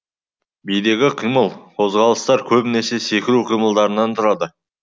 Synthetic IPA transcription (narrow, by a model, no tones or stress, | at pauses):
bijd̪e̞ɡʲɪqʰijməlˠqʰo̞zʁɑlˠəst̪ɑɾkʲʰɵbɪne̞se̞se̞kʲɪɾuqʰijməlˠd̪ɑɾənɑnt̪ʰʊɾɑd̪ə